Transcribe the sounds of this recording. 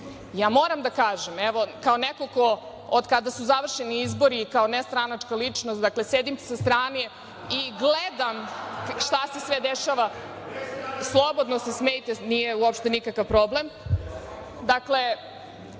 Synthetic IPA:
jaːmo̞ːɾamd̪akaːʒemeʋo̞kaonekoko | od̪kad̪asuzaʋr̩ʃeniizbo̞ɾikaonest̪ɾanat͡ʃkalit͡ʂnost̪d̪aklesed̪imsast̪ɾaːne | iɡled̪amʃt̪ase̞sʋed̪eʃaʋa | slˠo̞bo̞d̪nosesmejit̪enijeuopʃt̪enikakaʋpɾo̞blem | d̪akle̞

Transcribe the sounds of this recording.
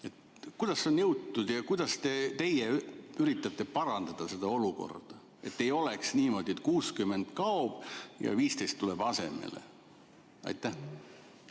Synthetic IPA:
et̪ | kujd̪̥ɑsːeonnɤwt̪ːˑud̪̥jɑkujd̪̥ɑst̪e̞t̪e̞jeyɾit̪ːˑɑt̪ːˑe̞pɑɾɑnd̪̥ɑd̪̥ɑse̞d̪̥ɑo̞luko̞̰rd̪̥ɑ | e̞̰t̪ːe̞jo̞leksniːmo̞d̪̥iet̪̚ˑkuːskymːe̞nd̪̥kɑob̥jɑ̰viːst̪ejst̪ːuleb̥ɑse̞̰mḛlḛ | ɑ̰jt̪ːˑæh

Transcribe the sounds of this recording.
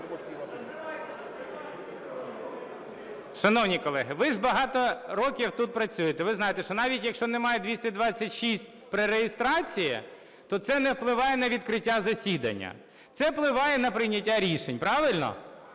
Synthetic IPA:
ʃɐnɔwnʲikɔlˠɛɦɪʋɪʒbɐɦɑt̪ɔɾɔkʲiwt̪ut̪̚pɾɐt͡sʲujet̪ɛʋɪznɑjet̪ɛʃɔnɑʋʲitʲjɐkʃt͡ʃɔnɛmɑjɛd̪ʲʋʲisʲtʲɐd̪ʋɑt͡sʲːɐtʲʃisʲt̚ʲpɾeɾejɪst̪ɾɑt͡sʲijɛ̰ | t̪ɔt̪sɛnɛwplˠɪʋɑjɛnɐʋʲid̪kɾɪtʲːazɐsʲid̪ɐ̰nʲːɐ̰ | t̪sɛwplˠɪʋɑjɛnɐpɾɪjnʲɐtʲːaɾʲiʃenʲpɾɑʋɪlʲnɔ̰

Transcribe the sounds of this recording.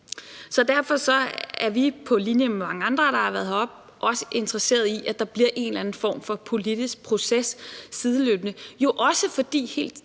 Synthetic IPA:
sɒ̽d̥æɐfɒ̽sɒ̽æɐʋipʰɒ̽linjəmemɑ̈ŋəɑ̈nd̥ʁɐɾ̥ɑ̈hɑ̈ʋæɐð̩ˠɒb̥ | ʔɒ̽sə̥ʔe̝nd̥ʁɐse̝̰ːɐð̞̩ˠiʔæd̥ɑ̈b̥liɐ̰ʔe̝nlænn̩fɒ̰ːmfɒ̽pʰo̝lid̥isɡ̥̚pʰʁo̝sesːiðˠəløːb̥ənəjo̝ʔɒ̽səfɒ̽d̥ḭːhe̝̰ːld̥

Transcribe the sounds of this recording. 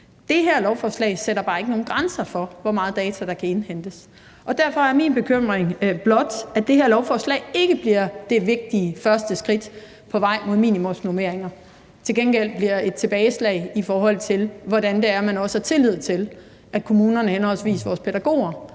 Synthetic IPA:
d̥e̝ɦeɐ̰lɒʊfɒːslɛ̰ɪseɾ̥ɐb̥ɑ̈ːe̝ɡ̥əno̝ːn̩ɡ̥ʁɑnsɐfɒ̽ʋɒmɑ̈ːð̞̩ˠd̥ɛːt͡sʰæd̥ɑ̈kʰæe̝nhen̰d̥əs | ʔɒ̽d̥æɐfɒ̽æɐmiːnb̥e̝kʰøm̰ʁeŋb̥lɒ̽d̥æ̥d̥e̝hæɐ̰lɒʊfɒːslɛ̰ɪe̝ɡ̥əb̥liɐ̰d̥e̝ʋe̝ɡ̥̚d̥iəfɶɐsd̥əsɡ̥ʁid̥ | pʰɒ̽ʋɑ̈ɪ̰mo̝ðˠmḭːnimɔmsnome̝ɐ̰eŋɐ | t͡sʰe̝lɡ̥enɡ̥el̰dbliɐe̝d̥̚t͡sʰe̝b̥ɛːɪslɛ̰ɪifɒːɦɒ̽l̰t͡sʰe̝lʋɒdænd̥e̝æɐmænɒ̽sə̥hɑ̈t͡sʰe̝lið̞̰ˠt͡sʰe̝l | ʔækʰo̝muːnɐnəhenhɒ̽l̰sʋḭːsʋɒːspʰeɾ̥æɡ̥o̝̰ːɐ

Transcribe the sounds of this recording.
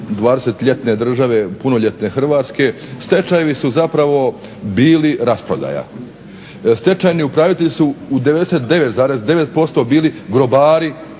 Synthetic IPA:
d̪ʋaːd̪eset̪ʎe̞t̪ne̞d̪r̩ʒaʋe̞punoʎe̞t̪ne̞xr̩ʋaːt̪ske̞st̪e̞t͡ʃajeʋisuzapɾaʋo̞ | biːliɾaspɾo̞d̪a̰ːja̰ | st̪e̞t͡ʃajniupɾaːʋit̪eʎisuud̪eed̪eset̪̚d̪e̞ʋe̞t̪zaːɾe̞zd̪e̞ʋe̞t̪̚po̞st̪o̞biːliɡɾo̞baːɾi

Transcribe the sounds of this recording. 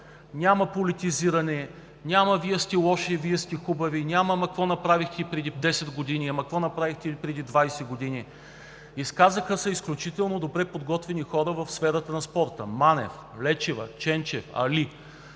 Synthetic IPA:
nʲamɐpolit̪iziɾɐnɛ | nʲamɐviɛst̪ɛlˠɔʃɛviɛst̪ɛxubɐvinʲamɐmɐkvɔnɐpɾavixt̪ɛipɾɛd̪id̪ɛsɛd̪ɡod̪iniɐmɐkvɔnɐpɾavixt̪ɛpɾɛd̪id̪vajsɛɡod̪ini | iskazəxəsɐisklʲut͡ʃit̪ɛlˠnod̪obɾɛpod̪ɡɔt̪vɛnixɔɾəvɐfsfɛɾət̪ənɐspɔɾt̪ə̰manɛ̰f | lɛt͡ʃɛvɐ̰t͡ʃɛnt͡ʃɛfɐ̰li

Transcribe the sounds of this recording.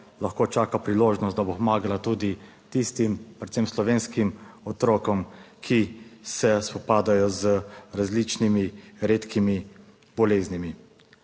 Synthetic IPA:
laxkoːt͡ʃaːkapɾiloːʒnɔst̪d̪abopɔmaːɡalat̪uːd̪i | t̪ist̪impɾɛt̪semslɔʋeːnskimɔt̪ɾɔːkɔmkʰisɛspɔpaːd̪ajɔzəɾazlit͡ʃnimiɾeːt̪kʰimi | bɔleːznimi

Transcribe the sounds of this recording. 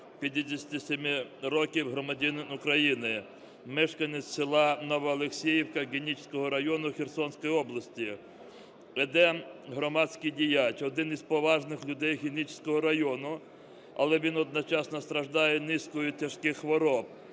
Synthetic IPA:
pʲid̪ʲɪd̪ʲesʲɐt̪ʲisʲemɪrɔkʲiwɦɾɔmɐdʲinʊkɾɐjinɪ | mɪʃkɐnet͡ssʲsɪlˠɑnɔʋɔɐlˠeksʲijiwkɐɣʲinʲit͡ʃsʲkɔɦɔɾɐjɔnʊxʲirsɔnʲsʲkɔjɔblˠɐsʲtʲi | ɛd̪ɛɦɾɔmɑdʲsʲkijdʲijat͡ʃɔd̪ɪnizpɔʋɑʒnɪxlʲʊd̪ɛjxʲinʲit͡ʃsʲkɔɦɔɾɐjɔnʊ | ɐlˠɛʋʲinɔd̪̚nɔt͡ʃɑsnɔst̪ɾɐʒd̪ɑjɛnɪskɔjʊtʲɐʃkɪxxʋɔɾɔp̚

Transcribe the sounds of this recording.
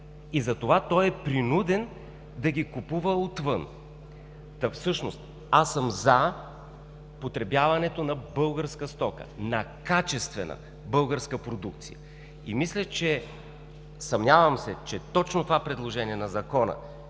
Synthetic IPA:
izɐt̪ovat̪ɔjɛpɾinud̪ɛn | d̪ɐɡʲikupuvəot̪vɤn | t̪ɐfsɤʃnost̪ | asːəmzɐ | pot̪ɾɛbjavɐnɛt̪onɐbɤlˠɡəɾskəst̪ɔkə̰nɐkat͡ʃɛst̪vɛnə̰ | bɤlˠɡəɾskəpɾod̪uk̚t̪sḭjə̰ | ḭmislʲət͡ʃɛ | sɐmnʲavɐmsɛt͡ʃɛt̪ɔt͡ʃnot̪ovapɾɛd̪lˠoʒɛniɛnɐzɐkɔnə̰

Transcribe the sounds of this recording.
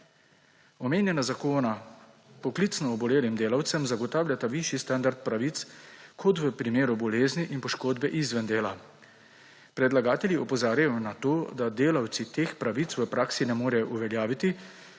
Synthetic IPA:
ɔmeːnjɛnazakoːna | pɔklit̪snɔːbɔleːlimd̪eːlawt̪sɛmzaɡɔt̪aːwljat̪aʋiʃjist̪and̪aɾt̪̚pɾaʋit̪skʰɔt̪ʋəpɾimeːɾubɔleːzniʔinpɔʃkoːd̪bɛʔizʋənd̪eːla | pɾɛd̪laɡaːt̪ɛljiɔpɔzaːɾjajɔnat̪oːd̪ad̪eːlawt̪sit̪eːxpɾaʋit̪sʋəpɾaːksinɛmoːɾɛʔuʋɛljaːʋit̪i

